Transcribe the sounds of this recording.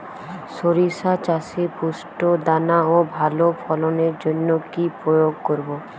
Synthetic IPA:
soɾisat͡ʃasepusʈod̪anaobʱalopʰɔlɔneɾd͡ʒonːokipɾojoɡkoɾbo

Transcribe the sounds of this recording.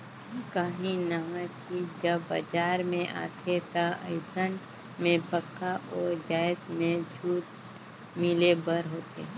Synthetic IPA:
kaːɦĩnaat͡ʃʰid͡ʒəbːə̰d͡ʒaːɾmẽʔa̰ːt̪ʰet̪aə̰ɪsən | mẽpəkːaʔɔːɾd͡ʒaːjt̪mẽd͡ʒʱuːt̪̚ | mɪlebəɾɦoːt̪ʰḛː

